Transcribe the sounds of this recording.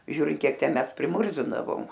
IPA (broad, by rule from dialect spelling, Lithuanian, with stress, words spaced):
ˈʒʲuːrʲɪnt ˈkʲiɛk ˈtʲɛn ˈmʲɛs pʲrʲɪˈmʊrʲzʲɪndɐʋoːm